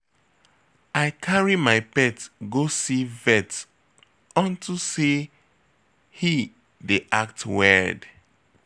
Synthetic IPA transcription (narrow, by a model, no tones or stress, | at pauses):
aɪkʰaɹimaɪpɛtɡosivɛt | ɔ̃ntʰuse | hi | deʔak̚twɛd